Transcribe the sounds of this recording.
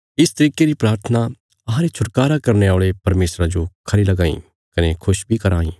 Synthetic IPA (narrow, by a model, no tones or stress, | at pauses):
ɪst̪ɐɾiːkeɾipɾaːɾt̪ʰəna | ɐɦãɾet͡ʃʰʊʈkaːɾakɐɾneaːɭepɐɾmeːsɾad͡ʒokʰɐɾilɐɡãːḭ̃ | kɐnekʰʊʃbʱikɐɾaːḭː